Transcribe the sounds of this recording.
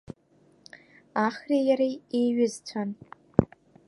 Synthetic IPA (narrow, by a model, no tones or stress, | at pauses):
aχrejaɾejejɥɪzt͡sʷʰan